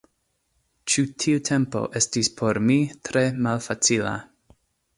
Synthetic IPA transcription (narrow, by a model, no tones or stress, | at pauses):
t͡ʃutʰiutʰe̞mpo̞̰ʔe̞stispʰo̞ɾmitɾe̞malfat͡sila̰